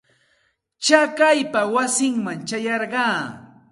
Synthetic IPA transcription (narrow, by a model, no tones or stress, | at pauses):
t͡ʃakajpawasɪŋmaŋt͡ʃajɑɾɢɑː